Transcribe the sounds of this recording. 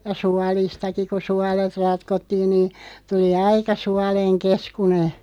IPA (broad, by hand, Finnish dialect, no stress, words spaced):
jɑ suɑlistɑki ko suɑlet rɑtkotːiːn niː tuli ɑikɑ suɑleŋ keskune